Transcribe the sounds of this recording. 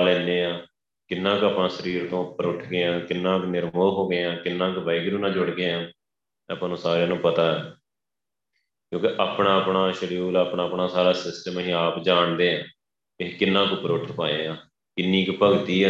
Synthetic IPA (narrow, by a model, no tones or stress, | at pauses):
lɛ̃ːnd̪eːãː | kɪnːãːkəːpãːsəɾiːɾt̪õːpəɾʊʈʰɡeːãːkɪnːãːknɪɾmoːɦoːɡeːãːkɪnːãːkʋaɪɡɾũːnãːd͡ʒʊɽɡeːãː | əpãːnũːsaːɾejaːnũːpət̪aːɛː | kjõːkɪʔaːpɳãːəpɳaːʃəɽuːlaːpɳãːəpɳaːsaːɾaːsɪsʈəməɦĩːaːpd͡ʒaːɳd̪eːãː | ɪkɪnːãːkʊpəɾʊʈʰpaːeːãː | kɪnːiːkpəɡt̪iː